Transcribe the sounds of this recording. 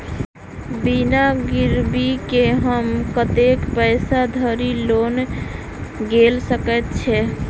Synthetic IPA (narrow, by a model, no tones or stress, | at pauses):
binaɡiɾbikeɦəmkət̪ekpəɪsad̪ʱəɾilon | ɡelsəkɛt̪̚t͡ʃʰɛ